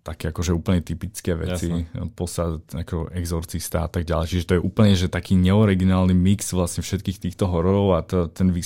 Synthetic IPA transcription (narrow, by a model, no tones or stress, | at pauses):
t̪akɛakɔʒɛuːpl̩ɲɛt̪ipit͡skɛːʋɛ̰t͡sipɔsaakɔɛɡzɔɾt͡sist̪a̰at̪aɡ̚ɟalɛjt͡ʃiʒɛt̪ɔjɛʔuːpl̩ɲɛʒɛt̪akiːɲɛɔɾiɡinaːlnimiksʋlasɲɛfʃɛt̪kiːxt̪iːxt̪ɔɦɔɾɔɾɔʊat̪ɔt̪ɛnʋi